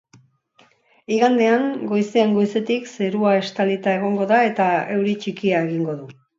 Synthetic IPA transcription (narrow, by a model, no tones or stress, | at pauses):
iɣand̪e̞aŋɡo̞jseeŋɡo̞jse̞t̪ikse̞ɾuae̞st̪alit̪ae̞ɣ̞o̞ŋɡo̞ðae̞t̪ae̞wɾit͡ʃikiae̞ɣ̞iŋɡo̞ðu